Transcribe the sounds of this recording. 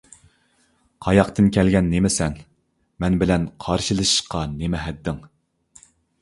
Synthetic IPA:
qʰɑjɑqt̪ɨnkʲʰɛlɡʲɛnːemɪsɛn | mɛnbɪlɛnqʰɑɾʃɨlˠɨʃɨ̥ʃqɑnemɛɦɛd̪ːɪŋ

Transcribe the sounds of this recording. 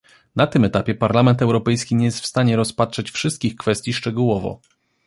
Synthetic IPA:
nat̪ɘmɛt̪apʲjɛpaɾlamɛnt̪ɛwɾɔpɛjskʲiɲɛjɛst̪fst̪aɲɛɾɔspatʂɛt͡ɕfʂɘst̪̚kʲixkfɛst̪ʲjiʂt͡ʂɛɡuwɔvɔ̰

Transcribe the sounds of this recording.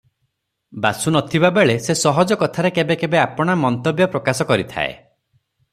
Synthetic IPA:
basunɔt̪ʰibabeɭesesɔɦɔd͡ʒɔkɔt̪ʰaɾekebekebeapɔɽ̃amɔnt̪objɔpɾɔkasɔkɔɾit̪ʰa̰ḛ

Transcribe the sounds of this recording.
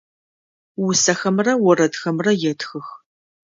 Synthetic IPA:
wʊsɐxɐmrɐwɔrɐtxɐmrɐjɛtxɨx

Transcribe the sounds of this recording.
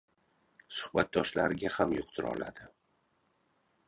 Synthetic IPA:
sʊ̥hbat̪̚d̪ɒʃlaɾɪɡʲahamjʊqt̪ʰʊɾɒ̰la̰d̪ɪ

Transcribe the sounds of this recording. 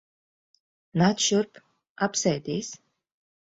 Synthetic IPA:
nat̪ʃuɾp | apsɛjd̪iːs

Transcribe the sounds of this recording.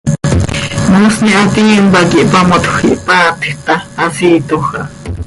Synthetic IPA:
musniʔat̪imbakiʔpamot̪uxḭʔpat̪ʰt̪aːsit̪oxa

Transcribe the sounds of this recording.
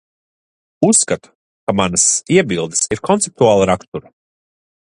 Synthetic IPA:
usːkat̪u̥ | kamanɐsiɛbilˠd̪ɨsiɾkʰɔnt̪sep̚t̪uaːlˠaɾakt̪uɾa

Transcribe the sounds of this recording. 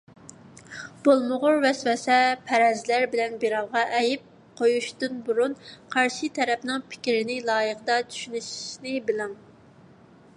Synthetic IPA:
b̥olˠmʊʁʊɾvɛswɛsɛpʰɛɾɛzlæɾbɪlɛnbeɾɑwˠʁɑʔɛjɪp̚ | qʰojuʃd̪unbuɾunqʰɑɾʃit̪ʰɛɾɛpnɨŋpʰɪ̥kʲɾɪnɪlˠɑːjəqəd̪ɑt̪ʰy̥ʃynyʃi̥ʃnɪbɪlɪŋ

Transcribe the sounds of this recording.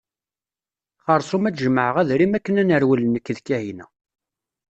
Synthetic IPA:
χəɾˤsˤumæt͡sʒəməʕəʁæðɾimækːənænəɾwələnəkːðkːæhinæ̰

